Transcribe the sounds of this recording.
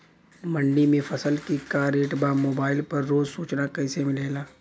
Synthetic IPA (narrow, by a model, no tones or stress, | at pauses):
mɐ̃ɳɖimẽfʰɐsəlkikaːɾeːʈbaːmoːbaːɪlpɐɾːoːzsuːt͡ʃnakɛːsemɪleːlaː